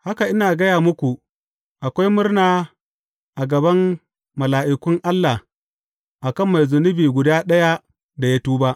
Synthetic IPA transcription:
ha˦ka˨ʔɪ˦naː˨ɡɐ˦jaː˨mʊ˦kʷu˨ | ʔa˨kʷa˦jmʊ˦rnaː˨ | ʔa˨ɡɐ˨bɐ˦m | mɐ˨laː˨ʔɪ˨kʷʊ˦ŋʔa˦lːa˨ | ʔa˨kɐ˦mːa˨jzʊ˨nʊ˦biː˨ɡʷʊ˨daː˦ɗɐ˦ja˦ | da˨ja˦tuː˦ba˦ʔ

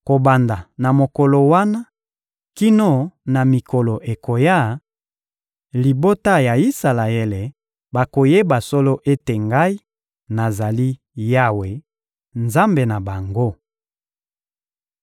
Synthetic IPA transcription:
ko˨ba˨nda˨na˨mo˨kɔ˨lo˨wa˦na˦ | ki˦no˦na˨mi˨ko˨lo˨ʔe˨ko˨ja˦˨ | li˨bo˦ta˦ja˨i˦sa˨la˨e˦le˨ | ba˨ko˨je˦ba˨so˦lo˦ʔe˦te˨ŋɡa˦i˦ | na˨za˨li˦ | ja˦we˨ | nza˦mbe˨na˨ba˨ŋɡo˦

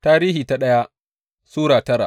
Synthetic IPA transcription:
taː˦ɾiː˦ɦiː˨ta˦ɗɐ˦ja˦ | suː˦ɽaː˨tɐ˦ɾa˨

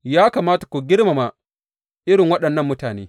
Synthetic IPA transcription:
jaː˦kaː˨maː˦tḁ˨kʷu˨ɡʲɪ˦ɽma˨ma˨ | ʔɪ˦ɽɪ˨ŋwɐ˦ɗɐ˨nːɐ˦mːʊ˦taː˨nḛː˦

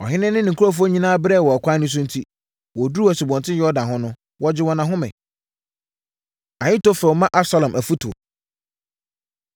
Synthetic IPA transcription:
ɔ̰˨ɦɪ̃˦nɪ̃˦nɪ̃˦nɪ̃˨kʰu˦ɾo˦f̬u˦o˦ɲĩ˦nãː˦bɾɛ˦˨wɔ˨a˨kʷʰã˦nʊ̃˦s̬ʊ̃˦n̩˦tʰi˦ | wɔ˨du˦u˦æ˨su˨bɔ̃˨ntʰɪ̃˦jɛ˦ɔ˦dã˨ɦʊ̃˦nʊ̃˦ | wɔ˦d͡ʑɪ˦wɔ˨nã˨ɦʊ̃˦mɛ̰̃˨ | ã˨ɲɪ̃˦to˦fɛ˨wmã˦ʔa˦sa˦lɔ̃˨mʔæ˨fu˦tʰu˨

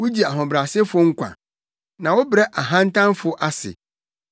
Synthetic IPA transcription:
wʊ˦d͡ʑi˨a˨ɦɔ̃˨bɾa˨sɪ˦fʊ˦ŋ̩˦kʷã̰˨ | nã˨wʊ˦bɾɛ˦ʔa˨ɦã˦n̩˦tʰã˦mfʊ˨ʔa˦sɪ̰˨

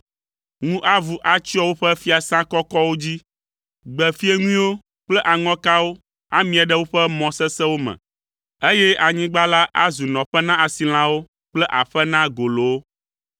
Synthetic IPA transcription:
ŋũ˦ʔa˦vu˨ʔa˨t͡ɕi˦ɔ˦wo˦ɸɛ˦fi˦a˨sã˦kɔ˦kɔ˦wo˦d͡ʑi˦ | ɡ͡bɛ˨fi˦e˦ŋũ˦ĩ˦wo˦ | k͡plɛ˦ʔa˨ŋɔ̃˦ka˦wo˦ | a˦mĩ˨a˨ɖɛ˦wo˦ɸɛ˦mɔ̃˨sɛ˦sɛ˦wo˦mɛ̰̃˨ | e˦jɛ˦a˨ɲĩ˦ɡ͡ba˦la˦ʔa˦zu˨nɔ̃˨ɸɛ˦nã˦a˨si˨l̃ã˦wo˦ | k͡plɛ˦ʔa˨ɸɛ˦nã˦ɡo˨lo˨wo˦

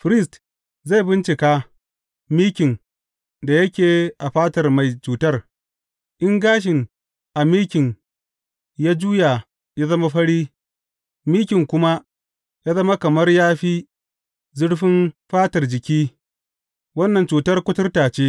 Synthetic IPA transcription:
ɸɾɪ˦st | za˦˨jbɪ˦nt͡ʃɪ˨kaː˦ | miː˦kʲɪ˨n | da˨jɐ˦kʲeː˨ʔa˨ɸaː˦tɐ˨rma˨jt͡ʃuː˨tɐ˦r | ʔɪ˦ŋɡaː˦ʃ̬ɪ˨n | ʔa˨miː˦kʲɪ˨n | jaː˦d͡ʒuː˦ja˨ | ja˦zɐ˦ma˦ɸɐ˦ɽiː˦ | miː˦kʲɪ˨ŋkʷʊ˦ma˦ | jaː˦zɐ˦ma˦kɐ˨mɐ˦rjaː˦ɸiː˦ | zʊ˦ɽɸɪ˦nɸaː˦tɐ˨rd͡ʒɪ˨kʲiː˦ | wɐ˦nːɐ˨nt͡ʃuː˨tɐ˦rkʷʊ˦tʊ˦rtaː˨t͡ʃeː˦

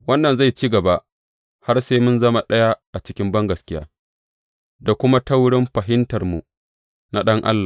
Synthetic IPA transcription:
wɐ˦nːɐ˨nza˦˨jt͡ʃiː˦ɡɐ˨ba˦ʔ | ha˦rseː˦mʊ˦nzɐ˦ma˦ɗɐ˦ja˦ʔa˨t͡ʃɪ˦kʲɪ˦mbɐ˦ŋɡɐ˨skʲɪ˦ja̰ː˦ | da˨kʷʊ˦ma˦tɐ˦wɽɪ˦mɸɐ˨ɦɪ˦ntɐ˨rmṵ˨ | na˨ɗɐ˦ŋʔa̰˦lːaː˨

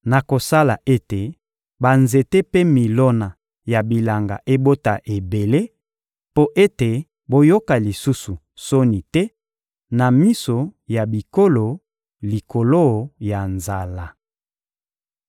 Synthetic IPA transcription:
na˨ko˨sa˦la˨ʔe˦te˨ | ba˨nze˨te˦pe˦mi˨lo˦na˨ | ja˨bi˨la˨ŋɡa̰˨ʔe˦bo˦ta̰˨ʔe˨be˨le˦ | po˦ʔe˦te˨ | bo˦jo˦ka˨li˨su˦su˨ | so˦ni˨tɛ˦ | na˨mi˦so˨ja˨bi˨ko˦lo˨ | li˨ko˨lo˦˨ja˨nza˨la˨

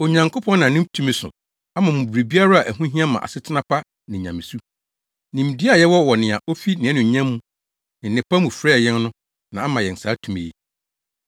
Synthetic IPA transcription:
o˨ɲã˨ŋkʰo˦pʰɔ̃˦nnã˨nʊ̃˦m˦tʰũ˦mĩ˨sʊ̰˨ | a˦mã˨mũ˨bu˨ɾi˨bi˦a˦ɾa˦a˨ʔæ˨ɦũ˦ɦĩ˦a˦mã̰˨a̰˨sɪ˦tʰɪ˦nã˦pʰa˦ | nɪ̃˨ɲã˨mɪ̃˨su˦ | nĩ˨m˨di˦a˨jɛ˦wɔ˦wɔ˨nɪ̃˨a˨ʔo˦fi˦nɪ̃˨ɛ˦nʊ̃˨ɲã˦mːũ˦ | nɪ̃˨nɪ̃˨pa˦mũ˨fɾɛ˦˨jɛ̃˦nnʊ̃˦ | nã˨a˦mã˨jɛ˨n̩˨sa˨˦tʰũ˨mḛ˨jḛ˦˨

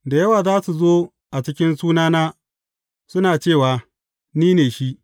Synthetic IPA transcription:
da˨jɐ˦waː˨zaː˦su˨zoː˦ | ʔa˨t͡ʃɪ˦kʲɪ˦nsuː˦naː˦naː˦ | sʊ˦naː˨t͡ʃeː˦˨waː˨ | niː˦neː˨ʃi˦ʔ

